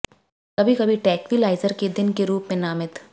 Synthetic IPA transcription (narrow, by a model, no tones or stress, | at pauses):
kɐbʱikɐbʱiʈɛːkʋilaːɪzəɾked̪ɪnkeɾuːpmẽnaːmɪt̪